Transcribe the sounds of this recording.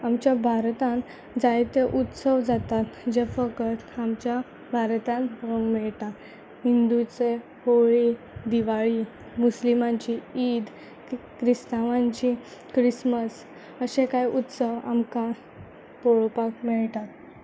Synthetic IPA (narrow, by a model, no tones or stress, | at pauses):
amt͡ɕjabʱaɾt̪ãn | d͡zajt̪eʔut̪səʋd͡zat̪at̪d͡ʑefəkət̪amt͡ɕja | bʱaɾt̪ãnɾəŋɡmɛɭt̪at̪ | ɦind̪ut͡se | hoɭi | d̪iʋaɭi | muslimaɲt͡ɕiiːd̪ | kɾist̪aʋãɲt͡ɕikɾisməs | əɕẽkajʔut̪səʋa̰mka | poɭpak̚mɛɭt̪at̪